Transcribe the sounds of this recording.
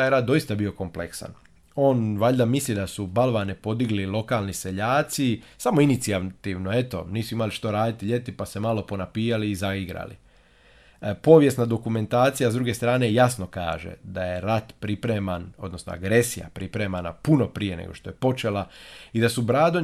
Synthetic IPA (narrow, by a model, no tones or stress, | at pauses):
ajeɾad̪̚d̪o̞ist̪abio̞ko̞mpleksa̰n | o̞ːnʋaʎd̪amislid̪asubalˠʋanepo̞d̪iɡlilˠo̞kalˠnise̞ʎaːt̪sisamo̞init̪siat̪iʋno̞e̞t̪o̞̰niːsuimaliʃt̪oɾaːd̪it̪iʎe̞t̪ipase̞malo̞po̞napiːaliːzaiɡɾa̰lḭ | po̞ːʋje̞snad̪o̞kume̞nt̪aːt̪sijazd̪ɾuɡe̞st̪ɾaːne̞jasno̞ka̰ːʒḛd̪aje̞ɾat̪pɾipɾemano̞d̪nosno̰a̰ɡɾe̞sija̰pɾipɾe̞mana̰puno̞pɾije̞nḛɡo̞̰ʃt̪o̞je̞po̞t͡ʃe̞laid̪asubɾaːd̪o